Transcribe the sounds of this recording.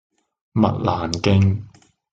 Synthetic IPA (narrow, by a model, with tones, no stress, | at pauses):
mɐ̰˨t̚laː˨˩nkɪ˥ŋ